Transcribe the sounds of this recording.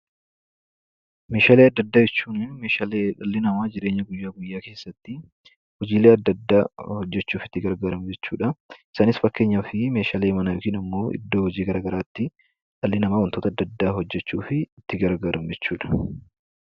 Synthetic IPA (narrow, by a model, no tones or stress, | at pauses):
me̞ːʃaːleːɐd̪ːɐd̪ːaːd͡ʒɛt͡ʃːuːnɪnmeːʃaːleᶑɐlːɪnɐmaːd͡ʒɪɾe̞ːɲːɐɡʊjːaːɡʊjːaːke̞ːsːɐt̪ːɪ | hɔd͡ʒiːleːɐd̪ːɐd̪ːaːhɔd͡ʒːɛt͡ʃːuːfɪ̥t̪ːɪɡɐɾɡaːɾɐmd͡ʒɛt͡ʃːuːᶑɐɪsaːnɪsfɐkːe̞ːɲːɐfɪme̞ːʃaːleːmɐnɐjoːkiːnɐmːo̞ːʔɪ̰d̪ːo̞ːhɔd͡ʒiːɡɐɾaːɡɐɾaːt̪ːɪ | ᶑɐlːɪnɐmaːwɐnt̪oːt̪ɐd̪ːɐd̪ːaːɦɔd͡ʒːɛt͡ʃːuːfɪt̪ːɪɡɐɾɡaːɾɐmʊd͡ʒɛt͡ʃːuːᶑɐ̥